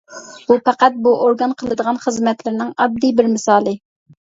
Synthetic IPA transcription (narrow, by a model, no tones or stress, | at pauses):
bupæqæt̪̚buʔoɾɡɑnqʰəlˠɨd̪əʁɑnχəzmɛt̪lɪɾnɪŋɑb̪̚d̪ːibɪɾmɪsɑːlˠɨ